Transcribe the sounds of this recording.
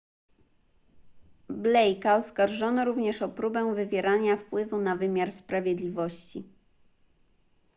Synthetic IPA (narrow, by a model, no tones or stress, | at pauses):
blɛjkaɔskaɾʐɔnɔɾuvɲɛʂɔpɾubɛ̃w̃vɘvʲjɛɾaɲafpwɘvunavɘmʲjaɾspɾavʲjɛd̪lʲivɔɕt͡ɕi